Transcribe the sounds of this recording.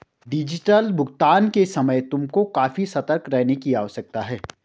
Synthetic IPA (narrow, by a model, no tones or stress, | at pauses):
ɖɪd͡ʒɪʈəlbʱʊɡt̪aːnkesɐməjt̪ʊmkokaːfisɐt̪əɾkɾɛɦnekiaːɔːsɐk̚t̪aɦɛː